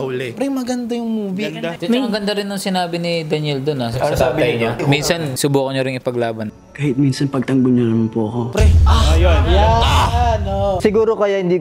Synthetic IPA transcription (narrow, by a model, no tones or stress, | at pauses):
ʊlɛpɾɛŋmɐɡɐnd̪ajʊŋmuːvid̪t͡ʃɐmɐmɐɡɐnd̪ɐɾɪnːʊŋsɪnaːbɪnɪd̪ɐnɛld̪onɐsaːbɪɐjɲaminsɐnsʊbuːkoɲɐɾɪŋɪpɐɡlaːbɐn | kaːhɪt̪̚minsɐnpɐɡ̚t̪ɐŋbʊnːɐnɐmanpʊʔɐkopɾɛaɐjonja | noʔsɪɡuːɾokɐjahɪnd̪iː